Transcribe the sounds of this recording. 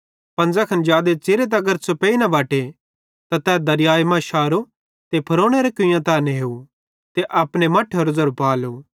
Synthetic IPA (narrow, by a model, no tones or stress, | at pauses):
pɐ̃nd͡zakʰɐnd͡ʒjaːd̪et͡ʃeɾet̪̬ɐɡɐɾsʰopeːinɐʋaːʈe | t̪ãt̪ɛːd̪ɐɾɪjaːjmãʃaːɾo | t̪epʰɐɾoːɽ̃eɾekʊjãt̪aːneɦeːu | t̪eʔɐpɽ̃emɐʈʰːoɾozɐɾpaːloː